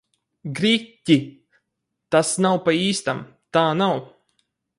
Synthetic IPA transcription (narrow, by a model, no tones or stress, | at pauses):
ɡɾʲitʲːi | t̪asnawpaiːst̪am | t̪aːnaw